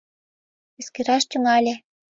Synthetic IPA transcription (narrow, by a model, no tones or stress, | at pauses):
eskĕɾɑʃt̪ʲumɑlʲĕ